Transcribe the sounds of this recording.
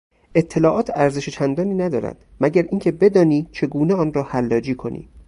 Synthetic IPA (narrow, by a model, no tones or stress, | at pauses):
ʔe̞t̪ʰːe̞lɒːʔɒːt̪ʰæɾze̞ʃet͡ʃʰænd̪ɒːniːnæd̪ɒːɾæ̰d̪̥mæɟæɾʔiːŋcʲʰe̞be̞d̪ɒːniːt͡ʃʰe̞ɡuːneɒːnrɒːhælːɒːd͡ʒiːkʰo̞nḭː